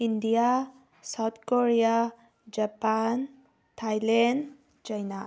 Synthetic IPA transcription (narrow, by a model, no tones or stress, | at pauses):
indija | sawt̪̚koɹija | d͡ʒapan | tʰajlɛn | t͡ʃajna